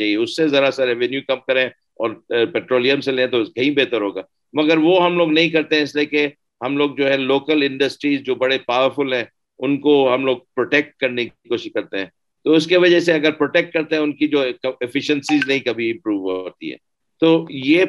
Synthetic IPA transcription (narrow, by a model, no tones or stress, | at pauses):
aːiɛʊsːezɐɾasəɾɛʋɛnjukɐmkɐɾẽ | ɔːɾpɛːʈɾoːlijə̃mselẽːt̪oskɐɦĩbeːt̪əɾɦoːɡaː | mɐɡəɾʋoɦɐmloːɡnɐɦĩkɐɾt̪eɦɛ̃ɪslieke | ɦɐmloːɡ̚d͡ʒoːɦɛ̃loːkəlɪ̃ɳɖəsʈɾiːzd͡ʒoːbɐɽepaːʋəɾfʊlɦɛ̃ː | ʊnkoɦɐmloːɡ̚pɾoːʈeːk̚ʈ̚kɐɾnekikoːʃɪʃkɐɾt̪eɦɛ̃ː | t̪oʊskeʋɐd͡ʒɛseɐɡəɾpɾoːʈeːk̚ʈ̚kɐɾt̪eɦɛ̃ʊnkid͡ʒoːɐɪfɪʃə̃nsiznɐɦĩkɐbʱiɪ̃mpɾuːʋɦo̰ːt̪ḭɦɛ̰ː | t̪oːjeː